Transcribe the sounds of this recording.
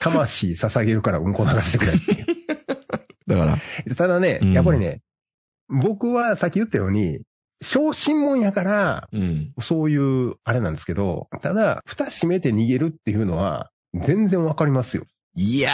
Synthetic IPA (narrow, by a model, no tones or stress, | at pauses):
t̪ʰamaɕiːsasaɡe̞ɾɯ̟kaɾaɯ̟̃ŋko̞naɡaɕi̥t̪e̞kɯ̟ɾait̪ejɯ | d̪akaɾa̰jat̪ad̪ane̞japːaɾʲine̞̰ | bo̞kɯ̟βasakʲːijɯ̟t̪ːajo̞ːɲ̟i | ɕo̞ːɕĩmmõ̞ɰ̃jakaɾa | oso̞ːjɯ̟ːaɾe̞nãnd̪esɨ̥ke̞d̪o̞̰t̪ad̪aɸɯ̟̥t̪aɕime̞t̪e̞ɲ̟iɡe̞ɾɯ̟t̪ːe̞jɯ̟no̞βa̰ | zẽ̞nd͡zẽɰ̃βakaɾʲimasɨjo̞̰ | ia